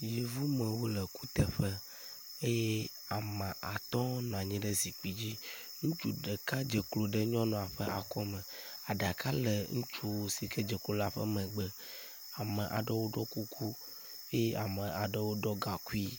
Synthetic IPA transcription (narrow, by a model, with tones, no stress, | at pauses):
je˨vu˦mə̃˨wo˦lɛ˨ku˦t̪ɛ˨ɸɛ˦ | e˦je˦ | a˨mã˨ʔa˨t̪ɔ˦nã˨ɲĩ˦ɖe˦zi˨k͡pi˨d͡ʑi˦ | ŋũ˦t͡ʃu˦ɖe˨ka˦d͡ʒɛ˨klo˨ɖe˦ɲɔ̃˦nɔ̃˨a˨ɸɛ˦ʔa˨kɔ˦mɛ̃˨ | a˨ɖa˨kʰa˦lɛ˨ŋũ˦t͡ʃu˨wo˨si˨kɛ˦d͡ʒɛ˨klo˨la˦ɸə̰˦mɛ̃˨ɡ͡bɛ˦ | a˨mə̃˨ʔa̰˨ɖɛ˦wo˦ɖɔ˦ku˦kʰu˦ | e˦je˦ʔa˨mə˨a˨ɖɛ˦wo˦ɖɔ˦ɡa˨ku˦i˦